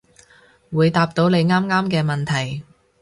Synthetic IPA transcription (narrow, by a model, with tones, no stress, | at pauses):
wuː˨˧jt̪aː˧p̚t̪o˨˥wne˨˧jŋaː˥mŋaː˥mkɛː˧mɐ˨nt̪ʰɐ˨˩j